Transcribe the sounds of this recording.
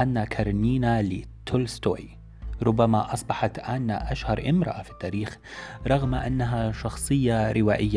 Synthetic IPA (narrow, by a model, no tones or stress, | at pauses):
ʔanːakʰɑɾˤniːnalɪt̪ʰːʊlst̪o̰ːj | ɾʊbːamaʔɑsˤbɑħɑt̪ʔaːnːaʔaʃhɑɾˤʔɪmɾɑ̰ʔafi̥t̪ːaːɾiːx | ɾˤɑɣmaʔanːaɦaʃɑxsˤɨjːaɾɪwaːʔɪjːa